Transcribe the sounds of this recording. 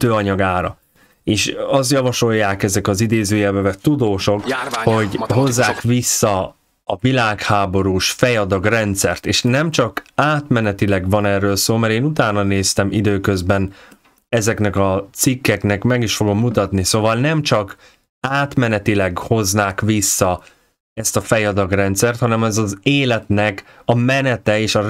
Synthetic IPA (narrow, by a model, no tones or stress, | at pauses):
t̪øːɒɲɒɡaːɾɒ̰ | eːʃɒst̪jɒvɒʃo̞jːaːkɛzɛkɒzid̪eːzøːjɛvɛvɛt̪ud̪oːʃo̞kho̞ɟɦo̞zːaːkʋisːɒː | vilaːkhaːbo̞ɾuːʃfɛjɒd̪ɒɡrɛnt̪sɛ̰rt̪eːʃnɛmt͡ʃɒkaːt̪mɛnɛt̪ilɛɡvɒnɛrːøːlsoːlmɛɾeːnut̪aːnɒneːst̪ɛmid̪øːkø̞zbɛn | ɛzɛknɛkɒt̪sikːɛknɛkmɛɡiʃfo̞ɡo̞mːut̪ɒt̪nisoːvɒlnɛmt͡ʃɒk | aːt̪mɛnɛt̪ilɛɡho̞znaːkʋisːɒ | ɛst̪ɒfɛjɒd̪ɒɡrɛnt̪sɛrt̪hɒnɛmɛzɒzeːlɛt̪nɛkɒmɛnɛt̪ɛeːʃɒ